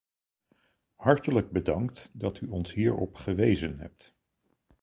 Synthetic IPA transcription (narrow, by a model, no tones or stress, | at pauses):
hɑɹtələɡ̚bədɑŋktdɑtyɔnsɦiːɹɔ̰pχəʋejzənɦɛ̰p̚t